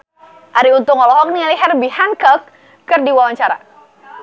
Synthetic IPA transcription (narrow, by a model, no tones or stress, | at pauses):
ʔaɾiunt̪ʊŋɔlɔɦɔk̚nialiɦɛrbihankɔkː | ərdiwawaɲt͡ʃaɾa̰